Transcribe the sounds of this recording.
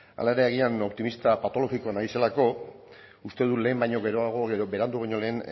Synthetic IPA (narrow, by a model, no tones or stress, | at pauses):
a̰laeɾeːɣ̞iano̞pt̪imist̪apat̪o̞lo̞ɣiko̞anaise̞lako̞ | ust̪e̞ð̞ule̞ːmbajɲo̞ɣe̞ɾo̞aɣ̞o̞ɣe̞ɾo̞be̞ɾand̪uβ̞ajɲo̞le̞ːn